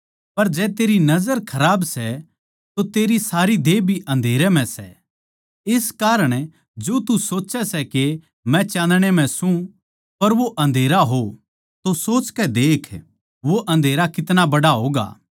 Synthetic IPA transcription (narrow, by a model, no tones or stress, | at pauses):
pɐɾd͡ʒɛːt̪eːɾinɐzəɾkʰɐɾaːbsɛ | t̪ot̪eːɾisaːɾid̪eːbʱiʔɐ̃nd̪ʱeːɾɛm̤ɛ̃sɛ | ɪskaːɾəɽ̃ | d͡ʒoːt̪usoːt͡ʃɛsɛke | mɛ̃t͡ʃãːnd̪ɽ̃em̤ɛ̃sũ | pɐɾʋoʔɐ̃nd̪ʱeːɾaɦo | t̪osoːt͡ʃkɛd̪eːkʰ | ʋoʔɐ̃nd̪ʱeːɾakɪt̪nabɐɽaɦoːɡa̰ː